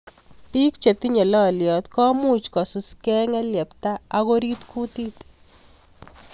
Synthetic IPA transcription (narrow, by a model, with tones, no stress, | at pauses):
pi˦kt͡ʃe˨t̪i˦ɲɛ˨lɔ˦˨ljɔ˨t̪kɔ˦mu˦t͡ʃkɔ˨sʊ˨skɛ˦ŋɛ˦ljɛ˨pta˦a˦ɣo˦ɾi˦t̪ku˦ti˦t